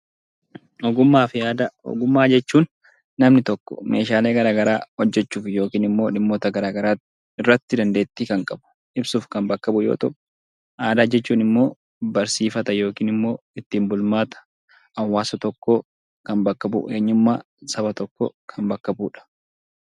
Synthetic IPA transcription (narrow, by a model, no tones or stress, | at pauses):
ɔɡʊmːaːfɪaːd̪ɐɔ̰ɡʊmːaːd͡ʒɛt͡ʃːuːnː | ɐmnɪt̪ɔkːɔ̥̰me̞ːʃaːle̞ːɡɐɾaːɡɐɾaːhɔd͡ʒːɛt͡ʃːuːfjo̞ːkiːnɪmːo̞ːᶑɪmːoːt̪ɐɡɐɾaːɡɐɾaːt | ɪrːɐt̪ːɪd̪ɐnd̪e̞ːt̪ːiːkɐŋkʼɐbʊ̥ | ʔɪbsuːfkɐmbɐkːɐbʊjo̰ːt̪ɐ | ʔaːd̪ad͡ʒɛt͡ʃːuːnɪmːo̞ː | bɐɾsiːfɐt̪ɐjo̞ːkiːnɪmːo̞ː | ɪt̪ːiːmbʊlmaːt̪ɐ̥ | ɐwːaːsɐt̪ɔkːoː | kɐnbɐkːɐbʊ̰ʔeːɲːʊmːaː | sɐbɐt̪ɔkːɔ̰ːkʰɐnbɐkːɐbuːᶑɐ̥